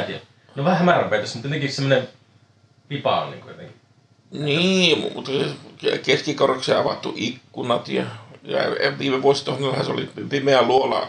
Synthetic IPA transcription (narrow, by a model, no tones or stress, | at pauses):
t̪iæ | noʋæhæhæmæræmpeˑit̪ɑsmut̪et̪ẽkˑisemːone | pipɑ̰o̰nnḭŋkojot̪ḛŋki | niːmmut̪ːɑsekeskikorekseɑʋɑ̰t̪ːuʔikːunɑt̪jɑ̰jɑ̰ʋiːmeʋuosit̪ohnelhæseo̰lḭpipimeæluolɑ̰